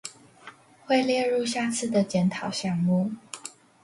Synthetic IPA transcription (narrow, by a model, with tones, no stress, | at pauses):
xwe˥˧ɪljɛ˥˧ɻu˥˧ɕja˥˧t͡sʰɹ̩˥˩d̪ə˨t͡ɕjɛ˨˧˥nt̪ʰɑ˨˦ʊɕjɑ˥˩ŋmu˥˨